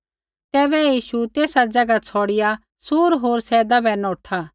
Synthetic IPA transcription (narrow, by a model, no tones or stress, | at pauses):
t̪ɛːbɛjiːʃut̪eːsad͡zɐɡat͡sʰɔɽɪja | suːɾɦoːɾsɛːd̪abɛnɔːʈʰa